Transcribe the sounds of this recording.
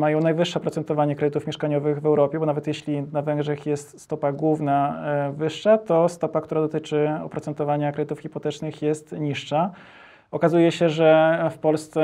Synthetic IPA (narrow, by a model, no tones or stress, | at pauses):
majɔ̃w̃najvɘʂːɛɔpɾɔt̪sɛnt̪ɔvaɲɛkɾɛd̪ɘt̪ufmʲjɛʂkaɲɔvɘɣvɛwɾɔpʲjɛbɔnavɛt̪jɛɕlʲinavɛŋɡʐɛxjɛst̪st̪ɔpaɡwuvnavɘʂːat̪ɔst̪ɔpak̚t̪uɾad̪ɔt̪ɘt͡ʂɘɔ̰pɾɔt̪sɛnt̪ɔvaɲakɾɛd̪ɘt̪ufxʲipɔt̪ɛt͡ʂnɘxjɛst̪ɲiʂʂa | ɔkazujɛɕɛʐɛfpɔlst̪sɛ